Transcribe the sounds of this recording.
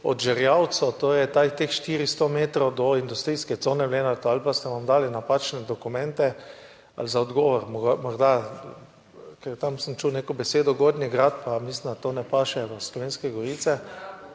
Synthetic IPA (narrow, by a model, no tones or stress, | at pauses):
ɔ̰d̪ʒɛɾjaw̪sɔt̪oːɾɛjt̪at̪exʃt̪iːɾist̪omeːt̪ɾɔwd̪ɔind̪ust̪ɾiːskɛt̪soːnɛʋleːnat̪ɔalpast̪ɛʋamd̪aːlinapat͡ʃnɛd̪ɔkumɛ̃nt̪ɛ | a̰lzaɔd̪ɡɔːʋɔɾmɔɡmɔɾd̪a | kɛɾt̪amsəmt͡ʃuwnekɔbɛseːd̪ɔɡoːd̪niɡɾat̪pamislind̪at̪oːnɛpaːʃɛʋəslɔʋeːnskɛɡɔɾit̪sɛ